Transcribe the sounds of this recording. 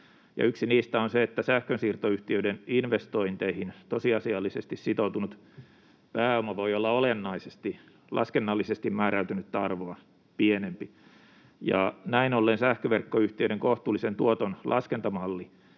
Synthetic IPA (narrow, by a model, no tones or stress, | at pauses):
jɑ̰yksiniːst̪æonseet̪ːæsæhkønsiːrt̪oyht̪iøideninʋest̪oint̪eihint̪osiɑsiɑlːisest̪issit̪out̪unut̪ | pæːomɑʋoiolːɑolenːɑisest̪i | lʔɑ̰skenːɑlːisest̪immæːræyt̪ynyt̪t̪ɑrʋoɑ | pienempi | jɑ̰næinolːensæhkøʋerkːoyht̪iøɾeŋkoht̪ˑuːlːisent̪uot̪onlʔɑskent̪ɑmɑlːi